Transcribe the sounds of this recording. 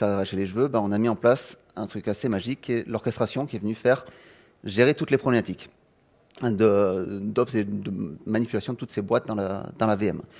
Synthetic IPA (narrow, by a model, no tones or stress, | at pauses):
saʁaʃeleʒəvøbaɔ̃namiɑ̃plas | ɛ̃t̪χykasemaʒikʰːɛlɔʁkʲɛst̪χasjɔ̃kʲiɛvənyfɛʁ | ʒeʁet̪ut̪lepχɔblemat̪ik | d̪əd̪ɔpsed̪əmanipylasjɔ̃d̪ət̪ut̪sebwat̪̚d̪ɑ̃la̰d̪ɑ̃laveɛm